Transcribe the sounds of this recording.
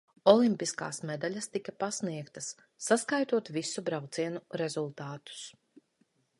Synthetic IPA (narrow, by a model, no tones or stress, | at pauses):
ɔlˠimpiska̰ːsmɛd̪alʲɐst̪ikapasniɛkt̪ɐsː | askajt̪uɔt̪visubɾawt̪siɛnuɾezulˠt̪aːt̪u̥s